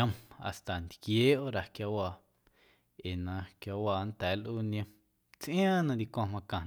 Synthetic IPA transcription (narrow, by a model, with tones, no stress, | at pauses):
ã˧ma̰˨st̪a˨nd̪kjeː˨˦o˦ɾa˨kja˧waː˧˨ | e˨nã˧kja˧waː˧˨nt̪ɛː˨˦lʔu˦nĩẽ˧ | t͡sʔj̃ã˦nã˧d̪i˧kʷã˧mã˧kã˨